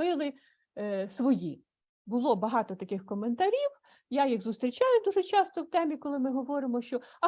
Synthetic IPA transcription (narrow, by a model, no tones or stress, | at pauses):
ɪlˠɪ | sʋɔji | bʊlˠɔbɐɦɑt̪ɔt̪ɐkɪxkɔment̪ɐɾʲiw | jajiɣzʊst̪ɾʲit͡ʃɑjʊd̪uʒɛt͡ʃɑst̪ɔwt̪ɛmʲikɔlˠɪmɪɦɔʋɔɾɪmɔʃt͡ʃɔɐ